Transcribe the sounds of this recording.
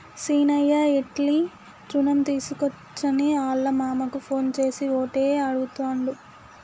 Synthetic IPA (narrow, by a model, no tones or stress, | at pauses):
siːnɐjːaːeʈli | t͡ʃɾunɐmt̪iːsukɔt͡ʃːɐniaːɭːɐmaːmɐkupʰo̞ːnt͡ʃe̞ːsioːʈeːɐɽuɡut̪oːɳɖu